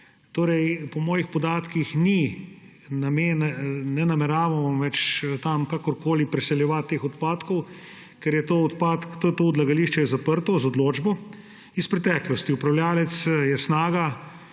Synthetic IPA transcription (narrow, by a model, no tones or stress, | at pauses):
t̪oːɾɛjpɔmɔːjixpɔd̪aːt̪kixni | nameːnnɛnamɛɾaːʋɔʋɛt͡ʃt̪amkakɔɾkoːlipɾɛsɛljɛʋat̪ːeːxɔt̪paːt̪kɔw | kɛɾjɛt̪ot̪pat̪kt̪ot̪oːɔd̪laɡaliʃt͡ʃɛjɛzapəɾt̪ɔzɔd̪loːd͡ʒbɔ | ispɾɛt̪ɛːklɔst̪iupɾawlʲjaːlɛt̪sjɛsnaːɡa